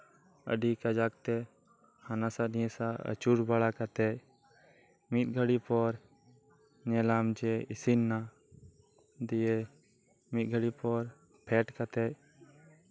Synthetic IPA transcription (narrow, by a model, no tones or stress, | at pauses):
ə̰ɖikad͡ʒaːk̚t̪e | hanasanĩẽsaə̰t͡ʃuɽbaɽakat̪ɛ | mit̪̚ɡʱəɽipɔɾ | nɛlaːmd͡ʒeɪsinːa | d̪ije | mit̪̚ɡʱəɽipɔɾ | pʰɛːʈkat̪ɛ